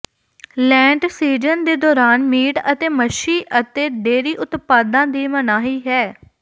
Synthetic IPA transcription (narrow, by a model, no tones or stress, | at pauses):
lɛ̃ːɳʈsiːd͡ʒənd̪eːd̪ɔːɾaːnmiːʈət̪eːməʃiːʔət̪eːɖeːɾiːʔʊt̪paːd̪ãːd̪iːmənaːɦiːɦɛː